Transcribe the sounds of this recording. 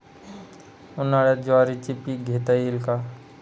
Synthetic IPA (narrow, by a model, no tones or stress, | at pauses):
ʊnaɽed͡ʒoaɾit͡ʃipiɡʱet̪ailka